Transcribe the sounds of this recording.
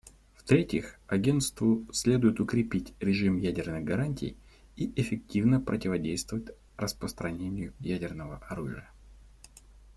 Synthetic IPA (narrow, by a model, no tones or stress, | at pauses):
ft̪ɾʲetʲɪxɐɡʲe̞nt̪st̪vʊsʲlʲe̞d̪ʊjɪt̪ʊkɾʲɪpʲitʲɾʲɪʐɨmjædʲɪrnɨɣɡɐɾanʲtʲɪ̰j | iʔɪfʲɪk̚tʲivnəpɾətʲɪvɐdʲejst̪vəvətʲ | rəspɾəst̪ɾɐnʲenʲɪjʊjædʲɪrnəvəʔɐɾuʐɨ̰jə